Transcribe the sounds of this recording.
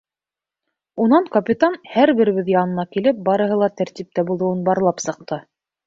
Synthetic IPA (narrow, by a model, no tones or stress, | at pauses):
unɑɴkɐpʲit̪anhæɾβɘ̆ɾɘ̆βɘðjɑnɤ̆nɑkilɘp̚bɑɾɤ̆ɦɤ̆lˠɑt̪æɾt̪ip̚t̪æbulˠɤ̆wɤnbɑɾlˠɑpsɤ̆q̚t̪ɤ